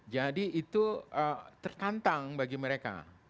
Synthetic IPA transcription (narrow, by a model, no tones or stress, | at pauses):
d͡ʒadiːt̪uət̪ərt̪ant̪aŋbaɡiməɾeka̰